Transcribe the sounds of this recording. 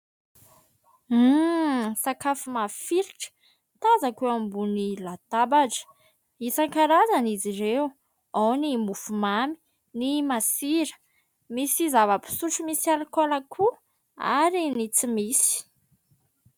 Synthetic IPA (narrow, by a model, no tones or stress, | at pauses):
sakafumafiɾiʈ͡ʂə̥ | t̪azakeambunilat̪abaʈ͡ʂə̥ | isaŋkaɾazaniziɾew | awnimufumami̥ | nimasiɾə̥ | misizavəpi̥suʈ͡ʂumisialikolakʰu | a̰ɾinit͡simisi̥